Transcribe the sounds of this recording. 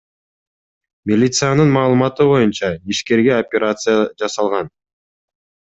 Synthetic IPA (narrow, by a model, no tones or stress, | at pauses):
mʲɪlʲit̪sɨjanɯnmɑːlˠɨmɑt̪ɯbo̞junt͡ʃɑiʃke̞ɾɡe̞opʲeɾat̪sɨjad͡ʒɑsɑlˠʁɑn